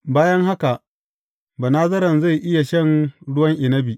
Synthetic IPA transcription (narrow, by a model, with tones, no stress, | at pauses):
baː˦jɐ˦ŋha˦ka˨ʔ | ba˨naː˦zɐ˦ɾɐ˨nza˦˨jʔɪ˦ja˨ʃɐ˦˨nɽʊ˦wɐ˦ŋʔɪ˨nɐ˦bi˨ʔ